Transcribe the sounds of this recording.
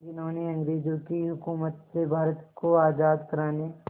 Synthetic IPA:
d͡ʒʊnaːniɐ̃ŋɡɾeːd͡ʒõkiɦʊkuːmət̪sebʱaːɾət̪koaːzaːd̪kɐɾaːne

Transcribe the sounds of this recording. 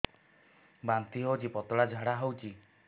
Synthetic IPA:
bant̪iɦowt͡ʃipɔt̪ɔɽad͡ʒʱaɽaɦowt͡ʃi

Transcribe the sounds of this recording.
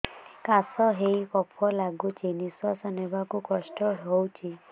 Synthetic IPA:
kasɔɦejkɔpʰɔlaɡut͡ʃʰenisɔsɔnebakukɔsʈɔɦowt͡ʃʰi

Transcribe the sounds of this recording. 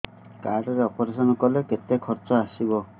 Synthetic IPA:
kaɾɖɔɾeɔpɔɾesɔnɔkɔleket̪ekʰɔɾt͡ʃɔasibɔ

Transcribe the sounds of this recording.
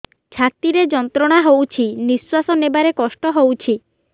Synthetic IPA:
t͡ʃʰat̪iɾed͡ʒɔnt̪ɾɔɽ̃aɦowt͡ʃʰiniswasɔnebaɾekɔsʈɔɦowt͡ʃʰi

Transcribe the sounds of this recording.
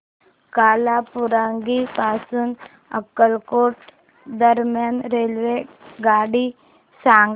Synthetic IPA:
kaːlapuɾaːŋɡipaːsuːn | ə̰kəlkoːʈ | d̪əɾmjaːnɾelʋeɡaːɽi | sãːŋɡ

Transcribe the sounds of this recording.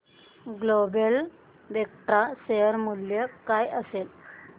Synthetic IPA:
ɡlobel | ʋek̚ʈɾasejəɾmuljəkajəsel

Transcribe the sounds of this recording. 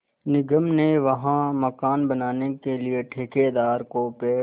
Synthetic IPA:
nɪɡəmneʋɐɦãmɐkaːnbɐnaːnekelieʈʰeːked̪aːɾkopeː

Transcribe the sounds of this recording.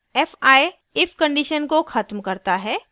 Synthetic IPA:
ɛːfaːe | ɪfkɐ̃ɳɖiːʃənkoxʰɐt̪mkɐɾt̪aɦɛː

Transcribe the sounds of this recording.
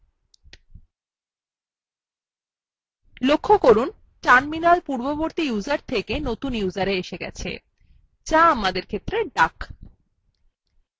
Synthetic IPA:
lokʰːokoɾun | t͡ɕanminalpuɾboboɾt̪ijuzaɾt̪ʰekenot̪unjuzaɾeeʃeɡɛ̰t͡ɕʰḛ | t͡ɕaamad̪eɾkʰet̪ːɾeɖak

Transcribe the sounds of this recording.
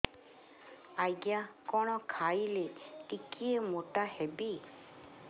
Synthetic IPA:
ajɡjakɔɽ̃ɔkʰajleʈikiemoʈahebi

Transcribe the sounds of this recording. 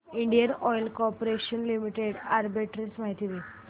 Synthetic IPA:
iɳɖijənɔjlkɔɾpoɾeɕənlimiʈeɽaɾbiʈɾismaɦit̪iʋe

